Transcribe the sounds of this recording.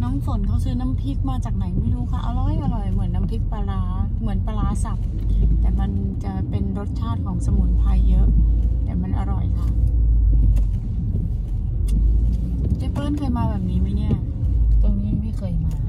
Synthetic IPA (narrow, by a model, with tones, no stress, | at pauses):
nɔː˦˥ŋfo˨˩˦nkʰa˧˥˩wsɯː˦˥na˦˧˥mpʰi˦˥k̪̚maː˧t͡ɕaː˨˩k̚na˩˦jma˥˩jɾuː˦˥kʰa˥˩ʔa̰˧ɾɔ˨˩jʔa˧ɾɔ˨˩jmɯ˨˩˦ə˦nːa˦˧˥mpʰi˦˥k̪̚pa˧laː˧˥ | mɯ˩˦ənpaː˧ɾaː˦˥sa˨˩p̚ | t̪ɛː˨˩ma˧nt͡ɕa˨˩pe˧nɾo˦˥t̪̚t͡ɕʰaː˥˩t̪̚kʰɔː˩˦ŋsa˧mu˨˩t̪̚pʰaː˧jːɤ˦˥ʔt̪ɛː˨˩ma˧nʔa˧ɾɔ˨˩jkʰa˧˥˩ | t͡ɕa˨˩pɤː˥˩nkʰɤː˧jmaː˧bɛː˨˩p̚niː˦˥ma˦˧˩ni˦˥˩ɐ | t̪o˧ŋniː˦˥ma˥˩jma˧˥˩kʰɤː˧jmaː˧